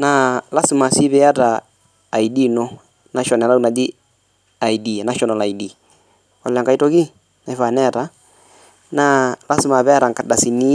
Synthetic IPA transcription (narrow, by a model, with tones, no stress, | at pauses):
na˨la˦si˨ma˨si˦βɛ˦a˦ɾaː˨ | i˨di˦no˦ | na˦ʃɔ˨nɛ˨la˦u˦na˨d͡ʒi˦ | a˨i˨di˨a˨na˦ʃɔ˨nɔ˨la˨i˨di˨ | wa̰˨la˨ŋɡa˨i˦to˦ki˦ | na˨i˨˦fa˨nɛ˦˨ɾa˦ | na˦la˦si˨ma˨βɛ˦a˦ɾa˨ŋka˨da˨si˨ni˦